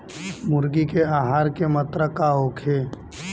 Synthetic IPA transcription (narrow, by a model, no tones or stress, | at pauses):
mʊɾɡikeaːɦaːɾkemət̪ɾəkaɦokʰeː